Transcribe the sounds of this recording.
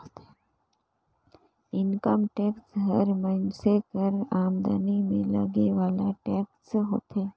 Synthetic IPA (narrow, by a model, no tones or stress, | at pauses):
t̪ː | ɪnkəmʈɛːksɦəɾməɪnsekəɾaːmd̪a̰ːnimẽlɐ̰ɡeʋaːlaʈɛːksɦo̰ːt̪ɦeː